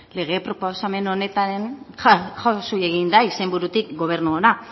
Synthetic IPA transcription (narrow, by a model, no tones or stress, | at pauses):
le̞ɣ̞e̞pɾoposame̞no̞ne̞t̪aɾen | xasuje̞ɣind̪aise̞mbuɾut̪ikɡo̞β̞e̞ɾnuona